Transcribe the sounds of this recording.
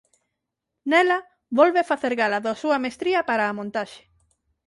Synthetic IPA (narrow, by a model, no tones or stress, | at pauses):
nelɐ | βolβefaθeɾɣalaðosuɐmest̪ɾiɐpaɾaːmõnt̪aʃe̥